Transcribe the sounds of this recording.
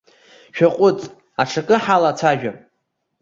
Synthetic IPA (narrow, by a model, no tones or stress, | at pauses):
ʃᶣaqʷʼʊt͡sʼ | aʈ͡ʂʰakʼɨħalat͡sʰaʒᶣam